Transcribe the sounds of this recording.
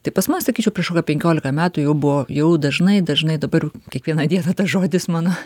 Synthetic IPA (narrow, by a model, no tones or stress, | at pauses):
t̪ɐɪpɐsmʊsɐkʲiːt͡ʃʲɛʊpʲrʲiɛʃkoːkʲɐpʲɛŋʲkʲoːlʲɪkɐmʲæːt̪ujɛʊbʊʋoːjɛʊd̪ɐʒnɐɪd̪ɐʒnɐɪd̪ɐbɐrjɛʊkʲɛkʋʲiɛnɐd̪ʲiɛnɐt̪ɐʒoːd̪ʲɪsmɑːnoː